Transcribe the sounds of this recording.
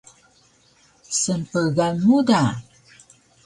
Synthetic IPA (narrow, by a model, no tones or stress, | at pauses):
sənpəɣalmuda